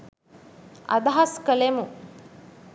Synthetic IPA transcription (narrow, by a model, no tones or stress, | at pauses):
ɐ̰d̪ɐɦɐskəlemu